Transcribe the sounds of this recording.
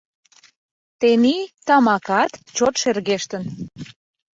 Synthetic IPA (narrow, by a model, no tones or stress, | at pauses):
t̪enit̪ɑmɑkɑt̪t͡ɕot̪ʃerɣeʃt̪ən